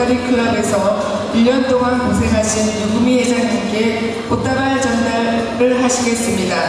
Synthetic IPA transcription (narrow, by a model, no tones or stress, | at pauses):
aɾikʰuɾabe̞sʰʌ | iɭɲʌnt͈oŋankosʰe̞ŋɦaɕʰinjuŋɡumiɦed͡ʑaŋeɡe | pot͈aɾaɭt͡ɕʌnda | ɾɯɭɦaɕʰiɡe̞s͈ɯmɲida